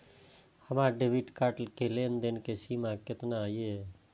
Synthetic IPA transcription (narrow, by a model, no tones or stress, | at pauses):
həmaɖebʱiʈkaʈlkelend̪enkesimakɪt̪naje